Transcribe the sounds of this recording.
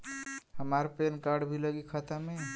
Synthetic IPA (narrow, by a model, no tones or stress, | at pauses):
həmaɾpenkaɾɖbʱiləɡikʰət̪ame